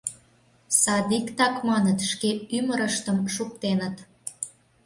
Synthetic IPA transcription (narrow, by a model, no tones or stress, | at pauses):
sɑd̪ikt̪ɑkmɑnət̪ʃkeyməɾəʃt̪əmʃuk̚t̪enət̪